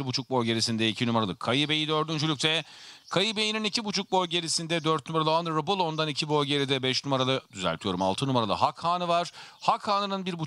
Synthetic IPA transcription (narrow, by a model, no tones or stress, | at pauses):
ɾbut͡ʃʰuk̚boɾɟe̞ɾisind̪ɛicʰinymaɾalˠɯkʰajibe̞jid̪øɾd̪ynd͡ʒylʲyc̚ʲt̪ʰɛkʰajibe̞jininicʰibut͡ʃʰuk̚bo̞jɟe̞ɾisind̪ɛd̪øɾt̪̚nymaɾalˠanɯɾɯbulˠo̞nd̪anicʰibo̞jɟe̞ɾid̪ɛbɛʃnymaɾalˠɯd̪yzɛ̰lʲt̪ʰijo̞ɾuma̰lˠt̪ʰɯnumaɾalˠɯ̰ɦakhaːnɯvaɾ̥hakhaːnɯnɯnbiɾbu